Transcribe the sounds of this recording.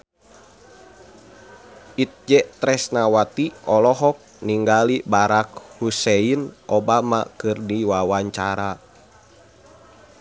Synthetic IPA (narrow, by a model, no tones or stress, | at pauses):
ʔit̪̚d͡ʒɛt̪ɾɛsnawat̪iʔɔlɔɦɔk̚niŋɡalibaɾak̚husɛinʔobama̰kɨrdiwawaɲt͡ʃaɾa